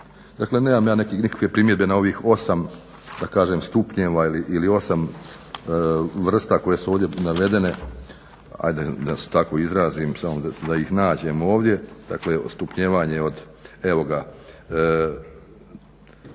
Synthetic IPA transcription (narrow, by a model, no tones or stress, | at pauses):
d̪̥akle̞neːmamjaːnekinikḁkʋe̞pɾimje̞d̪be̞nao̞ʋiːxo̞sam | d̪akaːʒemst̪upɲeːʋailiʔilio̞sam | ʋr̩st̪ako̞je̞suoːʋd̪jenaʋe̞d̪e̞ne̞ | a̰jd̪ed̪ase̥t̪ako̞izɾaːziːmsamod̪ad̪aixnaːd͡ʑe̞mo̞ːʋd̪je̞d̪̥a̰klest̪upɲeːʋaːɲeo̞d̪ | e̞ʋo̞ɡa